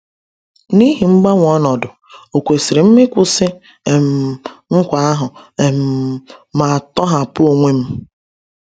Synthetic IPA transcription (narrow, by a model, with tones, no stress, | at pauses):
ni˦ɦi˨ŋ͡m̩˦ɡ͡ba˦ŋʷ˨ɔ˦nɔ˨dʊ˨ | o˨kʷe˨si˨ɾɪ˨m̩˦mɪ˦kʷʊ˦sɪ˦ | e˨m̩˨ŋ̩˦kʷa˨˦a˦ɦʊ˨e˨m̩˨ma˨a˨tɔ˦ɦa˨pʊ˦o˨ŋʷe˦m̩˦